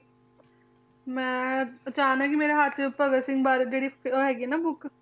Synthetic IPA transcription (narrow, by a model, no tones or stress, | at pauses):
mɛ̃ːət͡ʃaːnɛ̃kimeːɾeɦaɾt͡ʃpəɡəsɪ̃ŋɡbaːɾd͡ʒeːɽiɦɛːɡinaːbʊk